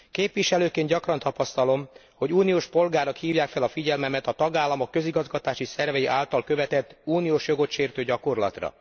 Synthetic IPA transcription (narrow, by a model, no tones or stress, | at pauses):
keːpʋiʃɛløːkeːnɟɒkrɒnt̪ɒpɒst̪ɒlo̞m | ho̞ɟuːnioːʃpo̞lɡaːɾokhiːvjaːkfɛlɒfiɟɛlmɛmɛt̪ɒt̪ɒɡaːlːɒmo̞kːø̞ziɡɒzɡɒt̪aːʃisɛrvɛjiʔaːlt̪ɒlkø̞vɛt̪ɛt̪ːuːnijoːʃjo̞ɡo̞t̪ʃeːrt̪øːɟɒko̞rlɒ̰t̪rɒ̰